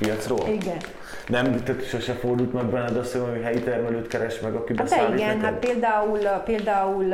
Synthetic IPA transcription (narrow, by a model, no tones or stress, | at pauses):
pijɒt̪sroːliɡɛn | nɛmt̪ɛt̪ʃoʃɛfo̞rd̪ult̪mɛɡbɛnːɛd̪ɛɒsojiɦɛjit̪ɛrmɛløːt̪kɛɾɛʃmɛɡɒkibɛsd̪ɛailiɡɛnhat̪peːld̪aːulpeːld̪aːul